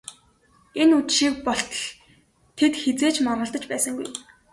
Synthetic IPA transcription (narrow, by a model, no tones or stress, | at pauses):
enut͡ɕʃiːk̚pɔɬt̪̆ɮ | t̪ʰet̪xet͡seːt͡ɕmɔnə̆ɬt̪ə̆t͡ɕpæːsə̆ŋɡṵj